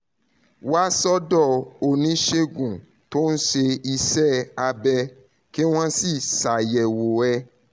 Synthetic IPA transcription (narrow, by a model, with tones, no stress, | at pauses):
wa˦sɔ˦dɔ˦˨o˦˨nĩ˨˦ʃe˦ɡũ˨ | to˦n̩˦ʃe˧i˧sɛ˦˨a˧bɛ˧ | ke˦w̃ɔ̃˦si˦˨sa˨jɛ˨wo˨ɛ˧